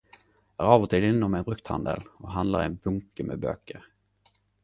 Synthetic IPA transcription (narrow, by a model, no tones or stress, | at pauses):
jɑæɾɑːvɔt̪ʰɪd̪ɪnːɔmɛnfɾɵkt̪ha̰nd̪ə̰lɔɦand̪la̰ɾɛ̰nbɵŋkəmɛbø̰kəɾ